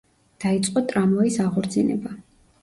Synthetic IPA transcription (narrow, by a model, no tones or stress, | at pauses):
d̪̥ait̪sʼqʼɔt̪ʼɾamɔisaʁɔɾt̪sʰinɛba